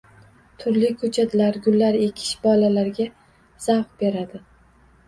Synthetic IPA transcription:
t̪ʰʊɾlɪkʰɵt͡ʃʰad̪ɪlaɾɡʲʊlːaɾe̞kʲʰɪ̥ʃbɒlalaɾɡʲa | z̥awqbe̞ɾad̪ɪ

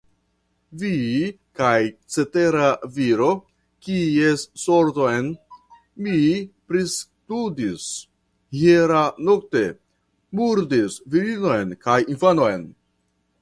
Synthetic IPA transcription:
vi | kajt͡se̞te̞ɾaviɾo̞ | kiesːo̞ɾto̞jn | mipɾistudis | heɾano̞kte̞ | muɾdisviɾino̞jnkajinfano̞jn

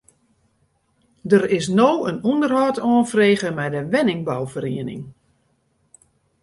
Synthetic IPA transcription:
dəɾɪs̬nowənundərɦɔːtɔːnfreːɣəmɛjdəʋɛnɪŋbawfəɾiənɪ̰ŋ

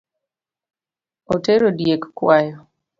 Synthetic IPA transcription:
oteɾodjekkwajɔ

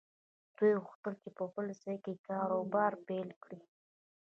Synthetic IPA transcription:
d̪̥ujɣʊxt̪əlkepəbəlsəjkekɑɾobɑɾpelkɽi

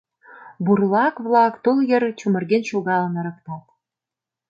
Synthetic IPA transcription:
burlɑkβlˠɑkt̪uljɘ̆rt͡ɕumə̆rɣenʃoɣɑlə̆nɤ̆ɾɤ̆k̚t̪ɑt̪̚

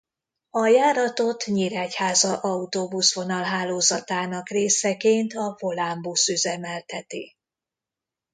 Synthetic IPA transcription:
ɒjaːɾɒt̪o̞t̪ɲiɾaːchaːzɒʔɒut̪oːbusʋo̞nɒlɦaːloːzɒt̪aːnɒkreːsɛkeːnt̪ɒvo̞lambusøzɛmɛlt̪ʰɛt̪i

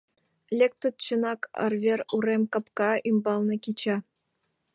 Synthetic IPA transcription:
lʲek̚t̪ə̆t̪̚t͡ɕɤ̆nɑkʰɑ̰rvʲeruɾemʲkɑ̆pkɑimbɑlˠnɤ̆kʲit͡ɕɑ

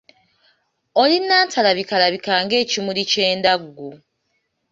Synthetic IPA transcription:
olinːaːntʰalaβikalaβikaːŋɡe̞ːcimulice̞ːndaɡːu

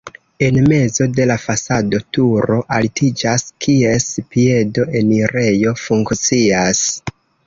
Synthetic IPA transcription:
e̞nme̞zo̞de̞lafasado̞tuɾo̞ʔaltid͡ʒaskʰie̞spie̞do̞ʔe̞niɾe̞jo̞fuŋkt͡sias

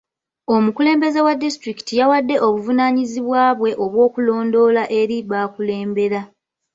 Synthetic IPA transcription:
o̞mukule̞ːmbe̞ze̞wadːistɾiki̥tijawadːe̞ʔo̞βuvunaːɲiziβwaːβwe̞ʔo̞βwo̞ːkulo̞ːndo̞laʔe̞ɾiβaːkule̞ːmbe̞ɾa

